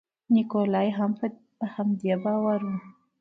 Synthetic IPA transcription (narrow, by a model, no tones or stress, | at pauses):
nikolɑjɦamp | əhamd̪ebɑwaɾu